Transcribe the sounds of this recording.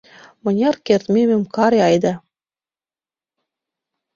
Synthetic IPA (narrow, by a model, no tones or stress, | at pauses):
mɤ̆nʲɑrkert̪mememkɑɾeɑjd̪ɑ